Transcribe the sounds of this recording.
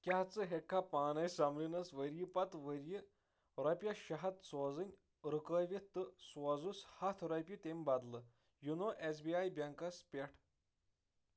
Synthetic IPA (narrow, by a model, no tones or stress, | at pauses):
kʲjaɦt͡sɨɦekʰːapaːnɐjsamlinɐsʋəɾjipɐt̪ʋəɾji | ɾɐpʲjɐʃɐɦɐt̪sozɨnʲ | ɾɨkəjʋʲit̪ɨsʋɔzushɐt̪ʰɾɐpʲit̪emʲbɐd̪lɨ | junoʔes̬biajbʲjɐŋkɐspʲeʈʰ